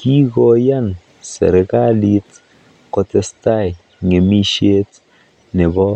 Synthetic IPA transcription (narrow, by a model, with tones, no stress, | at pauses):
ki˦kɔ˨ja˦n | sɛ̰˨ɾe˨ka˦li˦t | kɔ˧tɛ˦sta˦˨j | ŋe˨mi˦ʃe˦t | ne˨bɔ˦